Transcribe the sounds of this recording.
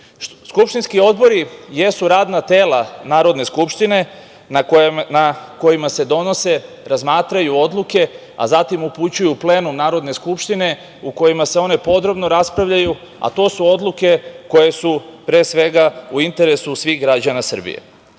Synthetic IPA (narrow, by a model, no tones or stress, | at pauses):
skupʃt̪inskio̞d̪bo̞ɾije̞suɾaːd̪nat̪e̞ːlanaːɾo̞d̪ne̞skupʃt̪ine̞ | nako̞jimase̞d̪o̞no̞se̞ | ɾazmaːt̪ɾajuo̞d̪lˠuke̞ | a̰zat̪imuput͡ɕujuple̞ːnumnaːɾo̞d̪neskupʃt̪ine̞ | uko̞jimase̞o̞ne̞po̞d̪ɾo̞bno̞ɾaspɾaʋʎaju | a̰t̪o̞ːsuo̞d̪lˠuke̞ko̞je̞supɾeːsʋe̞ɡauint̪e̞ɾe̞susʋiɣɡɾad͡ʑanasr̩bḭjḛ